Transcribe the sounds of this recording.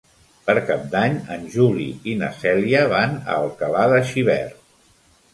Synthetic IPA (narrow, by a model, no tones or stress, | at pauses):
pəɾkap̚d̪aɲənʒulḭinəsɛliəβanə̰ːlˠkəlaðəʃiβ̞ɛ̰r